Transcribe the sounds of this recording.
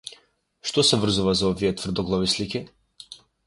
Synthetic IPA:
ʃt̪ɔsɛvr̩zuvazaɔviɛt̪vr̩d̪ɔɡlˠɔvisliki

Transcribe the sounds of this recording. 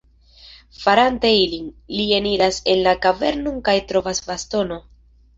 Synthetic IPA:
faɾanteiliŋlie̞niɾase̞nlakave̞̰ɾnoŋkajtɾo̞vasvasto̞no̞

